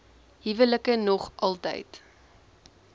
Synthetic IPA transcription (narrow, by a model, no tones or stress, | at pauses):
ɦivələkənɔχʔɐlˠtə̰jt